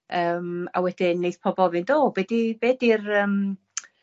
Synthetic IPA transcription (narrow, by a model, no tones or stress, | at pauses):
əːma̰wɛdɪnːejθpʰɔbɔvɨndoːbɛdibeːdirəm